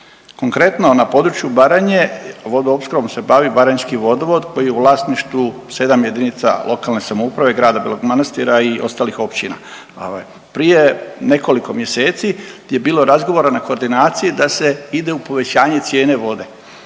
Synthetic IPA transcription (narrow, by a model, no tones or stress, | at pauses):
ko̞ŋkɾe̞t̪no̞napo̞d̪ɾut͡ʃjubaɾaɲe̞ʋo̞d̪oopskɾoʋomse̞baʋibaɾaɲskiʋo̞d̪oʋo̞d̪ko̞jijeuʋlˠaːsniʃt̪ʋu | se̞d̪amje̞d̪init̪sa̰lʔo̞kalˠne̞samoupɾaʋe̞ɡɾaːd̪abilˠoɡmanast̪iɾaiʔo̞st̪aːlixo̞pt͡ɕina̰ | o̰ʋa̰j | pɾije̞ne̞ko̞liko̞mje̞se̞ːt̪sije̞biːlˠo̞ɾazɡo̞ʋo̞ɾanako̞ːɾd̪inaːt̪sijid̪ase̞id̪e̞upo̞ʋe̞t͡ɕaːɲe̞t̪sje̞ːne̞ʋo̞d̪e̞